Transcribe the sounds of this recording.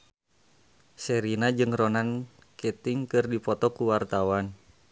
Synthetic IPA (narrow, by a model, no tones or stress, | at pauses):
sɛɾinad͡ʒɨŋrɔnan | ket̪iŋkɨrdipɔt̪ɔkuwart̪awan